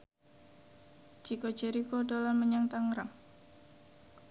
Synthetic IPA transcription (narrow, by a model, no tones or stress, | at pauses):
d͡ʒiko̥d͡ʒeɾikodolanməɲaŋt̪aŋɾaŋ